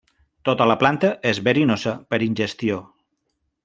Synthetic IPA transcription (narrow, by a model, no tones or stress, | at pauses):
t̪ot̪ələplant̪əʔezβəɾinozəpəɾinʲʒəst̪io